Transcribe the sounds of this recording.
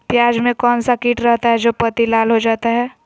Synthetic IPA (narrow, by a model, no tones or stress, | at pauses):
pjaːd͡ʒmẽkɔːnsakiːʈɾɐɦt̪aɦɛd͡ʒoːpɐt̪ilaːlɦod͡ʒaːt̪aɦɛː